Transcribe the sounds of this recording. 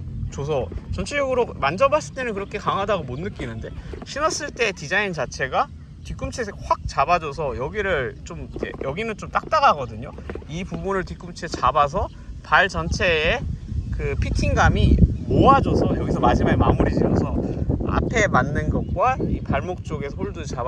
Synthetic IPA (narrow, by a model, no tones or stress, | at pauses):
t͡ɕos̬ʰʌt͡ɕʌnt͡ɕʰejʌɡɯɾomand͡ʑʌbas͈ɯɭt͈e̞nɯnkɯɾʌkʰe̞kaŋɦadaɡomonːɯk͈inɯnde̞ɕʰinʌs͈ɯɭt͈e̞tid͡ʑaint͡ɕat͡ɕʰe̞ɡa | tik͈umt͡ɕʰeɸwak̚t͡ɕabad͡ʑʌs̬ʰʌjʌɡiɾɯɭt͡ɕ͈omid͡ʑḛjʌɡinɯnt͡ɕomt͈ak̚t͈aɡaɡʌdɯɲoipubunɯɭtik͈umt͡ɕʰet͡ɕabas̬ʰʌ | paɭt͡ɕʌnt͡ɕʰe̞ːkɯpʰitʰiŋɡamimoad͡ʑosʰʌjʌɡisʰʌmad͡ʑimaɡema̰muɾid͡ʑiʌnsʰʌa̰pʰe̞manːɯnɡʌk̚k͈waipaɭmok̚t͡ɕ͈oɡe̞sʰoɭdut͡ɕa